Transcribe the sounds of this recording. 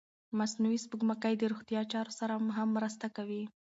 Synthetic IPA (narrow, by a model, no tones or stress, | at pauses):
masnuwispuɡmakəjd̪əɾoxt̪ijɑt͡ʃɑɾosaɾamɦamːɾast̪akawi